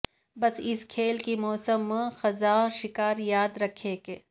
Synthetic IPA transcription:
bɐsɪskʰeːlkimɔːsəmːxɐzaːɾʃɪkaːɾjaːd̪ɾɐkʰẽːke

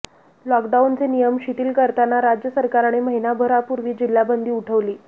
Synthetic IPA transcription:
lɔkɖaunt͡senijəmɕit̪iːlkəɾt̪anaɾad͡ʑjəsəɾkaɾaɽ̃iməɦinabʱəɾapuɾʋiːd͡ʑil̤ːjabənd̪ʱiːuʈʰəʋliː

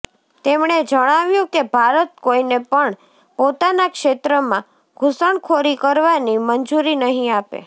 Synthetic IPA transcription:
t̪emɳ̃ed͡ʒəɽ̃aʋjũkebʱaɾət̪̚koinepəɳ | pot̪anakʃet̪ɾəmã | ɡʱusəɳkʰoɾikəɾʋanimənd͡ʒuɾinəɦĩapḛ

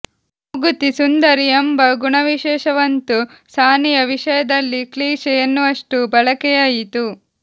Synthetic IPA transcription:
uɡut̪isund̪ɐɾijɐmbɐɡuɳɐʋiʃɛːʃɐʋɐnt̪u | saːnijɐʋiʂɐjɐd̪ɐlːikliːʃɛjɐnːuɐʂʈubɐɭɐkɛjaːjit̪u

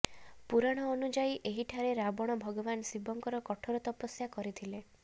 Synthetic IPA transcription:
puɾaɽ̃ɔːnud͡ʒaiʔeɦiʈʰaɾeɾabɔɽ̃ɔbʱɔɡɔbansibɔŋkɔɾɔkɔʈʰɔɾɔt̪ɔpɔsjakɔɾit̪ʰile

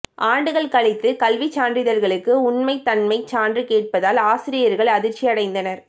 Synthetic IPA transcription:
ʔaːɳɖɯɣɐɭkɐɭɪt̪ːɯkɐlʋit͡ʃaːndrɪðɐɾɣɐɭɯkːɯʊnmɐɪt̪ːɐnmɐɪt͡ʃaːndrɯkeːʈ̚pɐðaːlaːsɪɾɪjɐɾɣɐɭɐðɪɾt͡ʃːiɐɽɐɪnd̪ɐnɐɾ

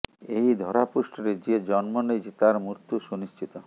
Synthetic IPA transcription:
ejd̪ʱɔɾapusʈʰɔɾed͡ʒied͡ʒɔnmɔned͡ʑit̪aɾmuɾt̪ːuʃuniʃt͡ʃʰit̪ɔ

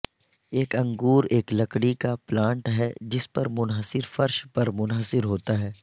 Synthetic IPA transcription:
eːkɐ̃ŋɡuːɾeːklɐkɽikaplãːɳʈɦɛd͡ʒɪspɐɾmʊnɦəsɪɾfɐɾʃpɐɾmʊnɦəsɪɾɦoːt̪aɦɛː

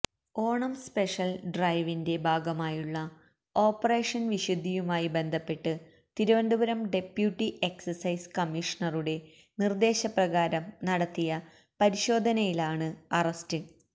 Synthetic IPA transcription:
o̞ːɳɐmspe̞ʂɐlɖrɐjʋinde̞bʱaːɡɐmaːjuɭːɐ | o̞ːpːɐre̞ːʂɐnʋiɕud̪ʱːijumaːjibe̞nd̪ʱɐpːe̞ʈːɨ | t̪iɾuʋɐnɖ̪ubɐɾɐmɖe̞pjuʈːiʔe̞ksɐrsɐjskɐmiʂɐnɐruɽe̞ | nird̪e̞ːɕɐprɐɣaːɾɐmnɐɽɐt̪ːijɐ | pɐɾiɕo̞ːd̪ʱɐnɐjilaːɳɨɐrɐstɨ

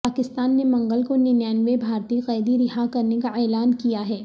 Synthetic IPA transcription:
aːkɪst̪aːnːemɐ̃ŋɡəlkonɪnjaːnʋebʱaːɾt̪iqɛːd̪iɾɪɦakɐɾnekaʔɛːlaːnkijaɦɛː

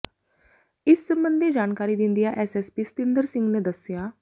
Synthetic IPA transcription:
ɪsːəmbənd̪id͡ʒaːnkaːɾid̪ɪ̃nd̪ijaʔɛsɛːspiːsə̥t̪ɪ̃nd̪əɾsɪ̃ŋɡned̪əsjaː

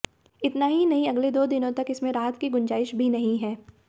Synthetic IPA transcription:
ɪt̪naɦinɐɦĩɐɡled̪oːd̪ɪnõt̪ɐkɪsmẽɾaːɦt̪kiɡʊ̃ɲd͡ʒaːɪʃbʱinɐɦĩɦɛː

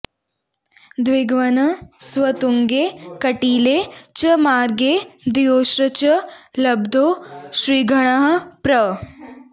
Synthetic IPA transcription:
d̪ʋɪɡʋɐnɐsʋɐt̪uŋɡeːkɐʈiːlet͡ɕɐmaːɾɡeːd̪ijoːʃɾɐt͡ɕɐlɐbd̪ʱoːʃɾiːɡʱɐɽ̃ɐɦəpɾɐ

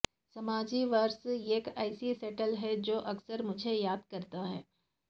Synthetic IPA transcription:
sɐmaːd͡ʒiʋɐɾseːkaːɪsisɛːʈəlɦɛd͡ʒoːʔɐksəɾmʊd͡ʒʱejaːd̪kɐɾt̪aɦɛː

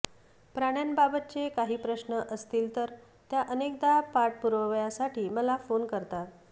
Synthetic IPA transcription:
pɾaɽ̃janbabət̪̚t͡sekaɦiːpɾəɕnəʔəst̪iːlt̪əɾ | t̪jaʔənek̚d̪apaʈ̚puɾʋəʋjasaʈʰiːməlafonkəɾt̪at

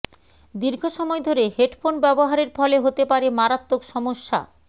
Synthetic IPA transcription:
d̪iɾɡʱoʃɔmɔed̪ʱoɾeɦeʈfʰonbɛboɦaɾeɾpʰɔleɦot̪epaɾemaɾat̪ːokʃɔmoʃːa̰

